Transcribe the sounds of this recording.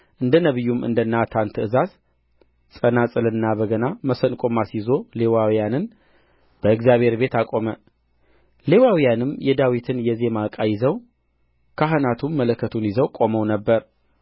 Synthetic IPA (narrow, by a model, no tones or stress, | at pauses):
ʔɨnd̪ənəβɨjːumʔɨ̰nd̪ənːat̪ʰant̪ʰɨɨzaz | sʼənasʼɨlɨnːabəɡənaməsənkʼomasjɪzo̞lewawijanɨn | b̥əɨɡzjaβʱhe̞ɾbe̞t̪akʼo̞mə | le̞wawijanɨmjɛd̪awit̪ʰɨnjɛze̞makʼajɪzəw | kʰaɦɨnat̪ʰumːələkːət̪ʰunjɪzəwkʼo̞məwnəbːəɾ